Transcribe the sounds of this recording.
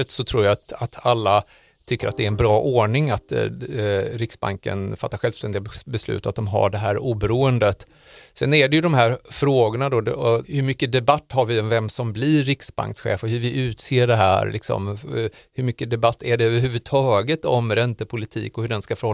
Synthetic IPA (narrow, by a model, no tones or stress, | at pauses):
ət̪sɔt̪ʰɾuːɾjat̪at̪ʰalːa | t̪ʰʏkːəɾʔat̪̚d̪ɛːɾɛnbɾɑːʔoːɳɪŋat̪ | ɾɪksba̰ŋkə̰nfat̪ːaɾɧɛlvst̪ɛnd̪ɪɡbɛslʉ̟ːt̪at̪̚d̪ɔmɦa̰ɖɛɦæːɾuːbɛɾuːənd̪ət̪ | sɛnæɖɛjɵd̪ɔmɦæːɾfɾoːɡʊɳad̪ɔd̪hɵɾmʏkːəd̪ɛbat̪ːhaɾvɪɔnvɛmsɔmblɪɾːɪksba̰ŋksɧḛːfəhɵ̟ɾvɪʔʉ̟ːt̪seːɖɛɦæ̰ːɾlɪ̰ksɔ̰mhɵɾmʏkːəd̪ɛbat̪ʰːæɖɛøvəɾɦʉːvəd̪t̪ʰɑːɡət̪ɔmɾɛnt̪əpʰʊlɪt̪ʰḭːkɔhɵɖɛnskafœɾhɔ